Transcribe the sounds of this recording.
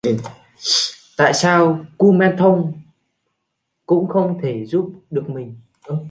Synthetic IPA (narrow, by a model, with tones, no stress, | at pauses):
t̪a̰ː˧˨jsaː˧wku˧mɛ˧nt̪ʰə˧wŋ͡m | kʊ̰˧˥ŋ͡mxə˧wŋ͡mt̪ʰe˧˩zu˦˥p̚ɗɨ˨˩ək̚mï˨˩ŋ̟ | ɗ